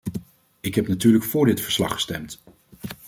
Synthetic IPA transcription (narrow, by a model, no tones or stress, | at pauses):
ɪkɦɛpnatyːɹləkfʊːɹdɪtfəɹslɑ̰χə̥stɛmt